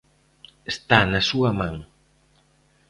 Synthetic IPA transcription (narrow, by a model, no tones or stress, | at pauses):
est̪anɐsuɐmãŋ